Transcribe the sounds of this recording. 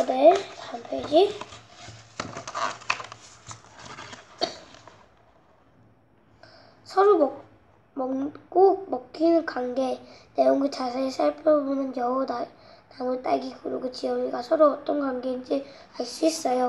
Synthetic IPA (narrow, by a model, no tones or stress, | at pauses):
netampʰeɡi | sʰʌɾum | mk͈umʌkk͈ʰinɯnkwaŋɡe̞nejoŋɡɯt͡ɕas̬ʰeesʰaɭpʰjobonɯnjʌoda | namɯɭt͈a̰jɡikuɾuɡɯt͡ɕijʌmiɡasʰʌɾuʌt͈ʌnɡwaŋɡeind͡ʑi | aɭs͈uis͈ʌjo